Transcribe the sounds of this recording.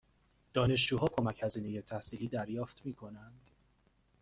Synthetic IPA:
d̪̥ɒːne̞ʃ̬d͡ʒuːɦɒːkʰo̞mæchæziːne̞je̞t̪ʰæhsiːliːd̪æɾjɒːft̪miːkʰo̞nænd̪̥

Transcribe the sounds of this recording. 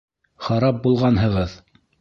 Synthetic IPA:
χɑɾɑp̚bulˠʁɑnɦɤ̆ʁɤð

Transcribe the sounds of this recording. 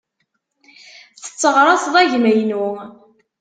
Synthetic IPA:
θθə̥t͡sːəʁɾˤɑsˤðˤæʝməjnu

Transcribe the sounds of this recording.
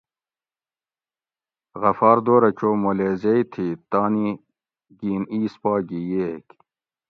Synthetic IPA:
ɣɐfɑːɾd̪oːɾɐt͡ɕoːmoleːzeit̪ʰiːt̪aːni | ɡiːniːspɑːɡijeːk

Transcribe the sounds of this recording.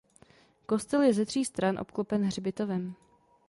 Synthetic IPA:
ko̞st̪ɛljɛzɛd̪r̝̥iːst̪ɾanʔo̞̰pklopɛnɦr̝ɪbɪt̪ovɛm

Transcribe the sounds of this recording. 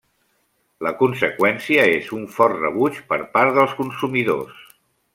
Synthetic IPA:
ləkunsəkwɛnsiəezuɱfɔrtrə̰β̞ut͡ʃpəɾpaɾt̪ðəlˠskunsumiðo̰s

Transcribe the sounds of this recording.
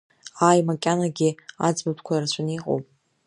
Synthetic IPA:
aːjmakʲʼanaɡʲia̰d͡zbapʰkʷʰairat͡ɕʷʰaniqʼo̰wpʼ

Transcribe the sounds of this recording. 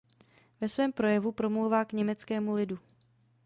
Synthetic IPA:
vɛsvɛːmpɾo̞jɛvupɾo̞mlowvaːkɲɛmɛt͡skɛːmulɪdu

